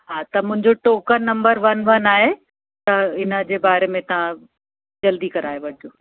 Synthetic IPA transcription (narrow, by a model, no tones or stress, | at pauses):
ɦaːt̪ɐmʊ̃ɦɪ̃ɲd͡ʑoʈoːkəɾnɐ̃mbəɾʋɐnʋɐnaːɦe | t̪ɐɪnə̆d͡ʑeːbaːɾemẽt̪ɐʋ̤ã | d͡ʑɐld̪ikɐɾaːjeʋɐɽɪd͡ʑoː